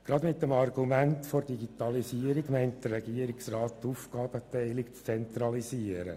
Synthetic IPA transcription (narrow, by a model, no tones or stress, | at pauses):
ɡ̥ɾɑdmɪtːəmɑrɡumæntford̥iɡit̪ɑlisiəɾiɡmæɪnt̚d̪̥əːɛɡiəɾiksrɑːttufɡɑːb̥ət̪ɛɪlɪkt͡st͡sɛnt̪ɾɑliziəɾə̰